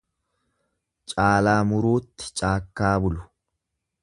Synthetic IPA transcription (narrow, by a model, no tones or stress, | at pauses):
t͡ʃʼaːlaːmʊɾoːt̪ːɪ̥t͡ʃʼaːkːaːbʊlʊ̥